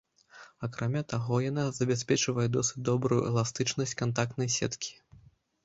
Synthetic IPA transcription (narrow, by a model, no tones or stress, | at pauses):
akɾʔamʲat̪aɣɔjanazɐbʲasʲpʲɛt͡ʂɨvɐjɛd̪ɔsɨ̥t͡sʲd̪ɔbɾujuɛ̰lˠast̪ɨt͡ʂnɐsʲt͡sʲkant̪ak̚t̪nɐjsʲɛ̰t̪kʲʰi̥